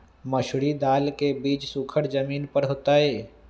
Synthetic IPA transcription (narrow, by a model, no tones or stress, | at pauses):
məʃɽid̪aːlkebiːt͡ʃsʊkʰəɽd͡ʒəmiːnpəɾɦoːt̪aɦeː